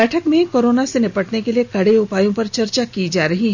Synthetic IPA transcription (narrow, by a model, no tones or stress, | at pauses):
ɛːʈʰəkmẽkoːɾoːnasenɪpəʈnekeliekɐɽeʊpaːjõpɐɾt͡ʃɐɾt͡ʃakiːd͡ʒaːɾɐɦiɦɛ